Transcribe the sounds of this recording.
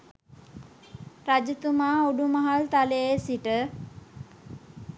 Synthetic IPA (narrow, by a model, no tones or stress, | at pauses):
ɾad͡ʒət̪umaːuɖumaɦalt̪aleesiʈə